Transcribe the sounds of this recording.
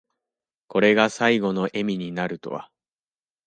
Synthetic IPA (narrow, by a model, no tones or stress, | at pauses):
ko̞ɾe̞ɡasaiɡo̞no̞ʔe̞mʲiɲ̟inaɾɯ̟t̪o̞̰βa̰